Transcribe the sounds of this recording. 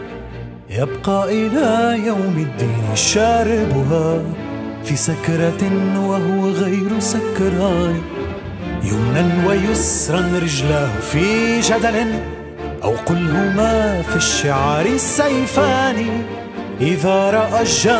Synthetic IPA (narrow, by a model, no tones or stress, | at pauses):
jabqɑːʔɪlaːjawmɪd̪ːɪnʃaːɾɪbʊɦaː | fiːsakɾˤɑwaɦʊwaɣajɾsakɾˤɑn | jʊmnanwajʊsɾˤɑnɾɪd͡ʒlahfiːd͡ʒad̪alɪ | ʔa̰wqʊlhʊmaːfiʃːaʕaːɾɪsːajfaːni | ʔɪðaːɾˤɑʔaʒːa